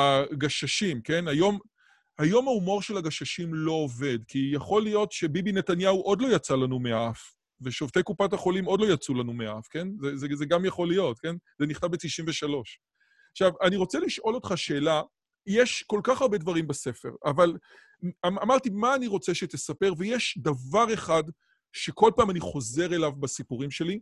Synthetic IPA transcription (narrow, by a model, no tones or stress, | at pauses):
aɡaʃaʃimke̞najo̞m | hajo̞maumo̞ʁʃelaɡaʃaʃimlo̞ove̞dkijaχo̞lijo̞tʃe̞bibine̞tanjauʔo̞dlo̞jat͡salanumeaf | ve̞ʃo̞vt̪ejkupathaχo̞limo̞dlo̞jat͡sulanumeaafke̞nzezezeɡamjaχo̞lijo̞tke̞nz̥eniχt̪abetiʃimveʃalo̞ʃ | aχʃavaniʁo̞t͡seliʃʔo̞lo̞t̪χaʃe̞ːla | jeʃko̞lkaχaʁbe̞dvaʁimbase̞fe̞̰ʁaval | aamaʁtimaːniʁo̞t͡seʃet̪esape̞ʁvejeʃdavaʁe̞χad | ʃe̞ko̞lpaːmaniχo̞ze̞ʁe̞lavbasipuʁimʃe̞li